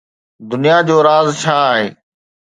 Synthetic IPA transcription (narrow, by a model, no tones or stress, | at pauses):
d̪ʊnijad͡ʑoːɾaːzt͡ɕʰaːɦeː